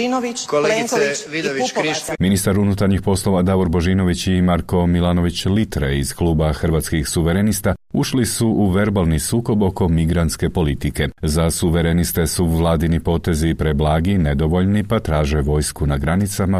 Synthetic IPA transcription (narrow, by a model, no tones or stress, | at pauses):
inoʋieŋi | minist̪aɾunut̪aɾɲixpo̞slo̞ʋad̪aʋoɾbo̞ʒino̞ʋit͡ɕimaɾko̞milˠano̞ʋit͡ɕlit̪ɾeiz̥klˠuːbaxər̩ʋaːt̪skixsuʋeɾenist̪auʃlisuʔuʋe̞ɾbalˠnisuːko̞bo̞ko̞miɡɾant̪ske̞po̞lit̪ike̞zasuʋeɾenist̪e̞suʋlˠaːd̪inipo̞t̪e̞zipɾeblaːɡined̪o̞ʋo̞ʎnipat̪ɾaːʒe̞ʋo̞ːjskunaɡɾanit̪sama